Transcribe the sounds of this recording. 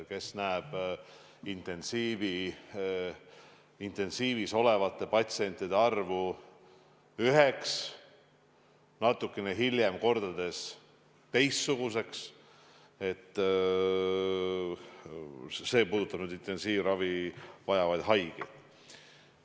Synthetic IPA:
ke̞snæeb̥ | int̪e̞nsiːvi | int̪e̞nsiːviso̞le̞vɑt̪ːˑe̞pɑt̪sie̞nʲt̪ːˑid̪eɑrvu | yɦeks | nɑt̪ːˑukːˑeneɦilʲje̞mko̞rd̪̥ɑd̪̥e̞s | t̪e̞jst̪suɡ̥use̞ks | e̞t̪ː | se̞ːpuːd̪̥ut̪ːˑɑb̥nyːd̪int̪ːe̞nsiːvrɑvivɑjɑvɑjd̪̥ɦɑjɡ̥ḛjd̪̥

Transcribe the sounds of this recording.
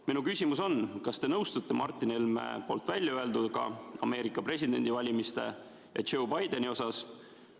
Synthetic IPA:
minukysʲimus̬o̞nkɑst̪e̞nɤwst̪ut̪ːe̞mʔɑrt̪ˑːinelmḛpo̞ːlt̪vælʲːjɑøe̞ld̪ud̪kɑ̰ɑ̰me̞ːɾikːˑɑpre̞sʲid̪e̞̰nʲd̪ivɑlʲimist̪e̞̰ | jɑ̰t͡ʃowbɑjd̪e̞nio̞sɑs

